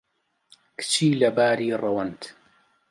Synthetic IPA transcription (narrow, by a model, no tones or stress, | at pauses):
kt͡ʃiːlabaːɾiːɾˤɑwant̪